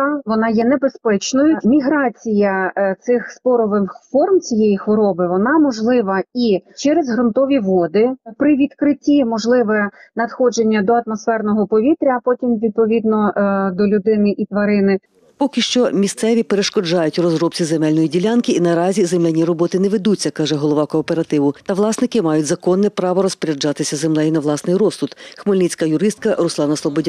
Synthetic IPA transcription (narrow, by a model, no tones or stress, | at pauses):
ɑʋɔnɑjɛnebespɛt͡ʃnɔjʊmʲiɦɾɑt͡sʲijɐt̪sɪxspɔɾɔʋɪnfɔrmt͡sʲijejixʋɔɾɔbɪʋɔnɑmɔʒlˠɪʋɐit͡ʃɛɾezɦɾʊnt̪ɔʋʲiʋɔd̪ɪpɾɪʋʲid̪kɾɪtʲimɔʒlˠɪʋɛnɐd̪xɔd͡ʒenʲːɐd̪ɔɐt̪mɔsfɛrnɔɦɔpɔʋʲit̪ɾʲɐːpɔtʲimʋʲid̪̚pɔʋʲid̪nɔd̪ɔlʲʊd̪ɪnɪʔit̪ʋɐɾɪnɪ | pɔkɪʃt͡ʃɔmʲist̪sɛʋʲipeɾeʃkɔd͡ʒɑjʊtʲrɔzɾɔp̚t͡sʲizemɛlʲnɔjidʲilʲɑnkɪinɐɾɑzʲizemɛnʲiɾɔbɔt̪ɪnɛʋed̪ut͡sʲːɐkɑʒɛɦɔlˠɔʋɑkɔːpeɾɐt̪ɪʋʊt̪ɐʋlˠɑsnɪkɪmɑjʊtʲzɐkɔnːɛpɾɑʋɔɾɔspɾʲɐd͡ʒɑt̪ɪsʲɐzemlɛjinɐʋlˠɑsnɪjɾɔst̪ʊt̪xmolʲnʲit͡sʲkɐjʊɾɪst̪̚kɐɾʊslˠɑnɐslˠɔbɔdʲa